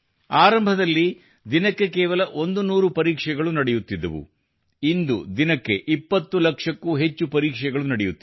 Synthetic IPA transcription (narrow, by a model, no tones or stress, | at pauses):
aːɾɐmbʱɐd̪ɐlːi | d̪inɐkːe̞kɛːʋɐlɐʔond̪unuːɾupɐɾiːkʂɛɡɐɭunɐɽɛjut̪ːid̪ːɐʋṵ | ind̪ud̪inɐkːe̞ʔipːɐt̪ːulɐkʂɐkːuɦet͡ʃːupɐɾiːkʂɛɡɐɭunɐɽɛjut̪ː